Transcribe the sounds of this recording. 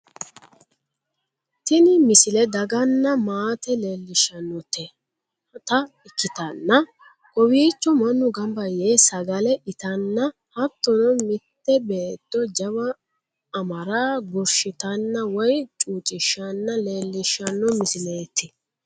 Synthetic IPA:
t̪ɪnɪmɪsɪlɛd̪ɐɡɐnːɐmaːt̪ɛle̞ːlːɪʃɐnːɔt̪ɛ | t̪ɐ | ɪkːɪt̪ɐnːɐ | kʼɔwiːt͡ʃːɔmɐnːʊɡɐmbɐjeːsɐɡɐlɛʔɪt̪ɐnːɐ | hɐt̪ːɔnɔmɪt̪ːɛbe̞ːd̪̥ːɔd͡ʒɐbɐ | ɐmɐɾaːɡɔɾʃɪt̪ɐnːɐwɔjt͡ʃʼuːt͡ʃʼɪʃːɐnːɐle̞ːlːɪʃːɐnːɔmɪsɪleːt̪ːɪ

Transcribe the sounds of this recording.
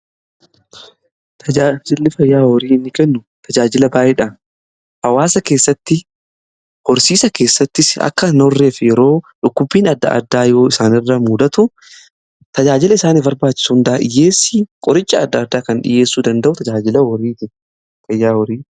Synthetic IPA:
t̪ʰɐaːd͡ʒɪlːɪfɐjːaːhɔɾiːɪnːɪkɛnːʊ | t̪ʰɐd͡ʒaːd͡ʒɪlɐbaːʔɛᶑɐ | hɐwaːsɐkeːsːɐt̪ːɪ | hɔɾsiːsɐke̞ːsːɐt̪ːɪsɐ̰kːɐnɔrːe̞ːfɛjɛɾo̞ːᶑʊkːʊbːiːnɐd̪ːɐ̰ʔɐ̰d̪ːaːjoːɪsaːnɪrːɐmuːd̪ɐt̪ʊ | t̪ɐd͡ʒaːd͡ʒɪlɐɪsaːnɪbɐɾbaːt͡ʃːɪ̥suːnd̪ɐʔaʔɪjeːsːikʼɔɾɪt͡ʃːɐːd̪ːɐːd̪ːaːkɐnᶑɪ̰je̞ːsːuːd̪ɐnd̪ɐʔʊt̪ɐd͡ʒaːd͡ʒɪlɐwɔɾiːt̪ɪ | fɐjːaːhɔɾiː

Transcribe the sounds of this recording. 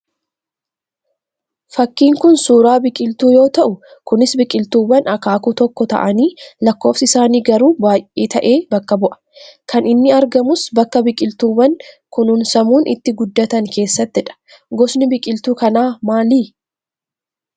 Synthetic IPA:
fɐkːiːŋkʊnsuːɾaːbɪkʼɪlt̪uːjo̞ːt̪ɐʔʊkʊnɪsbɪkʼɪlt̪uːbɐnɐkaːkut̪ɔkːɔt̪ɐ̰ʔɐniːlɐkːo̞ːfsɪɪsaːniːɡɐɾuːbaːjʔeːt̪ɐʔeːbɐkːɐbʊʔɐ̥kʰɐnɪnːɪɐɾɡɐmʊsbɐkːɐbɪkʼɪlt̪uːbɐŋkʊnʊnsɐmuːnʔɪ̰t̪ːɪɡʊd̪ːɐt̪ɐŋke̞ːsːɐt̪ːɪᶑɐ̥ | ɡɔsnɪbɪkʼɪlt̪uːkɐnaːmaːliː

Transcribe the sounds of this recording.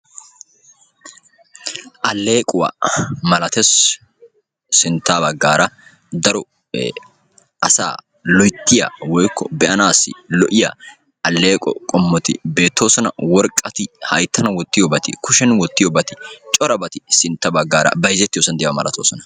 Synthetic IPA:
ʔɐlːe̞ːkʼʊwɐ̰mɐlɐt̪ɛs | sɪnt̪ːaːbɐɡːaːɾɐ | d̪ɐɾɔ | ʔɐsa̰ː | lɔjt̪ːɪjɐ̰wɔjkʰːɔbɛʔɐnaːsɪ̰lɔʔɪjɐ̰ | ʔɐlːe̞ːkʼɔkʼɔmːɔt̪ɪ̰be̞ːt̪ːo̞ːsɔnɐwɔɾkʼːɐt̪ɪhɐjt̪ːɐnɐwɔt̪ːɪjɔbɐt̪ɪkʊʃɛnwɔt̪ːɪjɔbɐt̪ɪ̥t͡ʃʼɔɾɐbɐt̪ɪsɪnt̪ːɐbɐɡːaːɾɐ̰bɐjzɛt̪ːɪjoːsɐnd̪ɛjɐmɐlʔɐt̪oːsɔnɐ̥

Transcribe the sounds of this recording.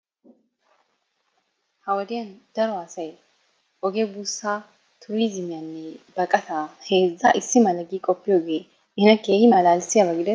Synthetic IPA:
hɐwɐd̪ɪjɐnd̪̥ɐɾɔaːsɐj | ʔɔɡebuːsːaː | t̪ʰʊɾiːzɪmɪjanːɛbɐkʼːɐt̪aːheːzːaʔɪsːɪmɐlɐɡiːkʼɔpːɪjoːɡeː | ʔɪnɐkːeːhɪmɐlaːlsɪjɐbɐɡɪd̪ɛ

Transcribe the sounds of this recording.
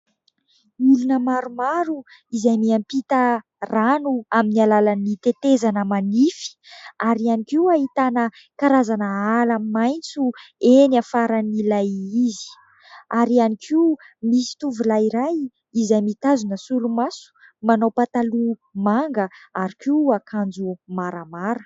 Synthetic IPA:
ilunəmaɾumaɾu | izajmiampit̪ə | ranuaminialalanit̪et̪ezanəmanifi̥aɾianikiwaɦit̪anə | kaɾazanəalamimajnt͡suenafaɾanilajizi̥ | aɾianikʰiumisi̥t̪uvulaiɾaj | izajmit̪azunəsuɾumasu̥ | manawpat̪alumaŋɡəaɾikiakʰand͡zumaɾəmaɾə

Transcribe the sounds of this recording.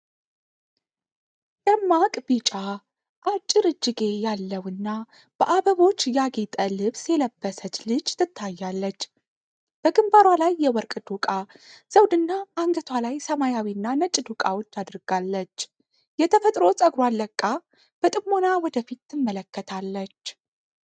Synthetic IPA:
t̪ʼəmːakʼbit͡ʃʼa | ʔat͡ʃʼːɨɾɨd͡ʒːɪɡe̞jalːəwɨnːa | b̥əʔaβəβo̞t͡ʃːjaɡet̪ʼəlɨβsjɛləbːəsət͡ʃ̪lɨd͡ʒt̪ʰɨt̪ʰːajːalːət͡ʃː | b̥əɡɨmbaɾwalajːɛwɔɾkʼd̪ukʼaz̥əwd̪ɨnːaʔːŋɡət̪ʰwalajsəmajawinːanət͡ʃʼːd̪ukʼawo̞t͡ʃːad̪ɾɡ̥alːət͡ʃː | jɛt̪ʰəfət̪ʼɾo̞sʼəɡɾwalːəkʼːa | b̥ət̪ʼɨmːo̞nawɔd̪əfit̪ːɨmːələkːət̪ʰalːət͡ʃː

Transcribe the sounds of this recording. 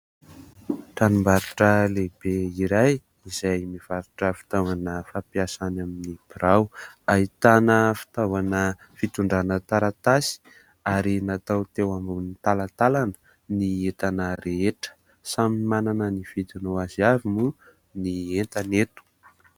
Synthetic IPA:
ʈ͡ʂanumbaɾuʈ͡ʂəlebeiɾaj | izajmiv̥aɾuʈ͡ʂəfi̥t̪awanəfapiasanaminib̥iɾawait̪anəfi̥t̪avanə | fit̪uɳɖ͡ʐanət̪aɾat̪asi̥ | aɾinat̪awt̪ewambunit̪alat̪alanə̥ | niet̪anəɾeeʈ͡ʂə̥ | samimananənifit̪inoaziavimu | nient̪anet̪u̥

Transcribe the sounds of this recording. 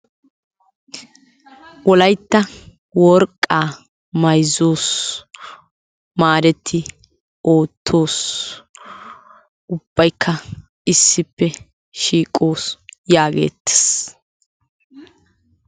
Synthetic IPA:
wɔlɐjt̪ːɐ | wɔɾkʼːaː | mɐjzoːs | maːɾɛt̪ʰːɪ | o̞ːt̪ʰːo̞ːs | ʊb̥ːɐjkʰːɐ | ɪsːɪpːɛ | ʃiːkʼːo̞ːsjaːɡḛːt̪ːe̥s

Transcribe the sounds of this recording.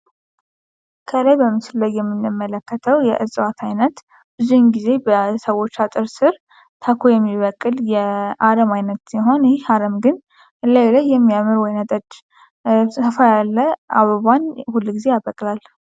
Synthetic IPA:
kʰəlajbəmːɨsɨlːəɡjɛmːɨnːɨmːələkːət̪ʰəwjɛ̰ʔɨzʼwat̪ʰajnət̪ | bɨzujnɡize̞bəsəwo̞t͡ʃːat̪ʼɨɾsɨɾ | t̪ʰakʰojɛmːiβəkʼːɨljɛʔaɾəmajnət̪siɦo̞nheaɾəmɡɨn | ɨlːajlajːɛmːijamɨɾwɔjnət̪ʼət͡ʃː | əfajalːəʔa̰βəβanhulːɡizejabəkʼlal

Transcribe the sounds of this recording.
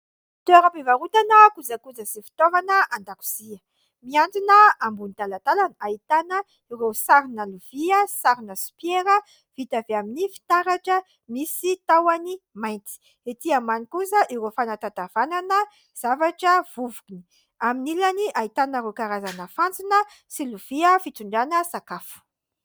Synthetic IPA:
t̪eɾapevaɾut̪anəkud͡zakud͡zəsifi̥t̪ovanəʔand̪aku̥z̥iə | miant͡sinəambunt̪alat̪alanait̪anə | iɾesaɾinəluv̥iəsaɾinəsu̥pjeɾə | v̥it̪aveaminifi̥t̪aɾaʈ͡ʂə | misit̪awanimajnt̪i̥ | et̪iamanikusəʔiɾofanat̪at̪av̥ananə | z̥avaʈ͡ʂəv̥uvukini̥ | aminilaniʔait̪anəɾokaɾazanəfant͡sinə | siluv̥iəfit̪uɳɖ͡ʐanəsakafu̥

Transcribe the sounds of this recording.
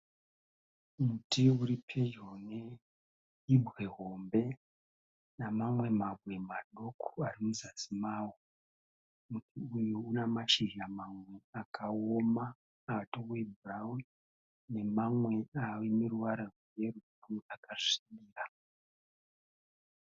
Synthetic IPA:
mutiuɾipʰejone | ibʱɣe̞ɦombe̞ | namamwe̞mabwe̞maɗo̞kʰu̥arimuzasimaːwo | mutʰiujounamaʃiɦamamwe̞akʰaoma | atowebʱurawu | ne̞mamwe̞awemeruʋaɾaruje̞ru | amweakaʂiɗiːra

